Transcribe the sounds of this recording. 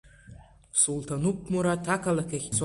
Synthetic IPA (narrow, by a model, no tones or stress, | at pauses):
sultʰanuk̚ʷmuɾatʰakʰalakʰʲaxʲt͡sʰ